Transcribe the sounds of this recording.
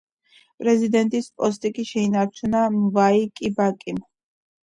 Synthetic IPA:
pʼɾɛzid̪ɛnt̪ʼispʼɔst̪ʼikʼiʃɛinaɾt͡ʃʰunamvaikʼibakʼim

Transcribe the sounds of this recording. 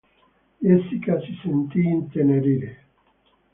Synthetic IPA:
jesikʼasisint̪ʼint̪ʰɛnɛɾiɾɛ

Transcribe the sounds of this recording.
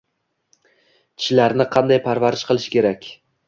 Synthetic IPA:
t͡ʃʲʰɪ̥ʃlaɾnɪqʰɑnd̪ajpʰaɾvaɾɪʃqɨlˠɪʃkʲʰe̞ɾakʲ

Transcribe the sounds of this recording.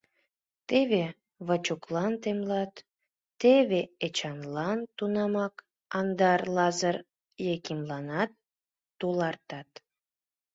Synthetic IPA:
t̪eβe | βət͡ɕuklɑnt̪emlɑt̪ː | eβeet͡ɕɑnlɑnt̪unɑmɑk | ɑnd̪ɑrlɑzər | jekimlɑnɑt̪ː | ulɑrt̪ɑt̪

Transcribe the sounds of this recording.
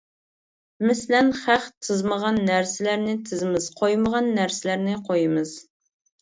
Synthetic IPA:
mɪslɛnχæχt̪ʰɨzməʁɑnːæɾsɪlæɾnɪt̪ʰɨzɪmɪz̥qʰojməʁɑnːæɾsɪlæɾnɪqʰojɨmɨz̥

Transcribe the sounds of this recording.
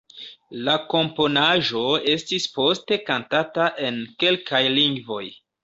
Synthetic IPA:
lako̞mpo̞naʒoe̞stispo̞ste̞kantataʔe̞nke̞lkajliŋɡvo̞j

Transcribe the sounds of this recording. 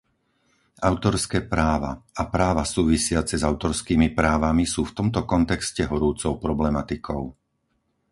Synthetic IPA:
aʊt̪ɔɾskɛːpɾaːʋa̰apɾaːʋasuːʋisɪat͡sɛzaʊt̪ɔɾskiːmipɾaːʋamisuːft̪ɔmt̪ɔkɔnt̪ɛkscɛɦɔɾuːt͡sɔʊpɾɔblɛmat̪ikʰɔʊ

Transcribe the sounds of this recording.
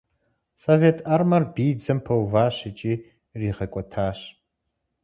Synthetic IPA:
sovetʰɐrmɐrbiːd͡zɨmpʰɐwvaːɕɪt͡ʃʼiː | riːʁɐkʷʼɔtʰaːɕ

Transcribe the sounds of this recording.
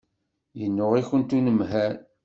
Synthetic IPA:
jənːʊʁiçənt̪unəmɦæɾ

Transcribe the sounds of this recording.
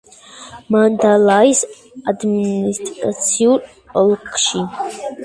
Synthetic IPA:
mand̪alajs | ad̪ministʼat͡sʰiurʼ | əlqʰʃi

